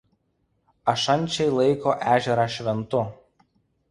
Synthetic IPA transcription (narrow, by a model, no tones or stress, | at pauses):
ɐʃɐnʲˑt͡ʃʲɛɪlˠɐɪkoːʔæːʒʲɛɾɑːʃʲʋʲɛnt̪ʊ